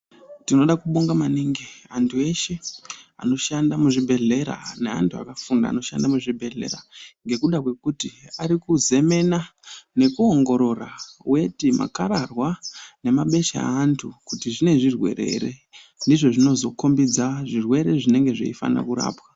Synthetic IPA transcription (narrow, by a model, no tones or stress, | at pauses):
tino̞ɗakuɓuŋɡamaniŋɡiantʰue̞ʃe̞a̰no̞ʃandamuʐibʱe̞ɮe̞ɾa̰ne̞antʰua̰kafunda̰ːno̞ʃa̰ndamuʐibʱe̞ɮe̞̰ɾaŋɡe̞kuɗakwe̞kutiaɾikuze̞me̞nane̞kuoŋɡo̞ɾo̞rawe̞tima̰kaɾarwane̞maɓe̞ʃa̰ːntʰukutiʐine̞ʐirwe̞̰ɾe̞̰ɾe̞ | ndiʐo̞ʐino̞zo̞ko̞mbid͡zaʐirwe̞ɾe̞ʐine̞ŋɡe̞ʐḛifa̰na̰kuɾa̰ːpwa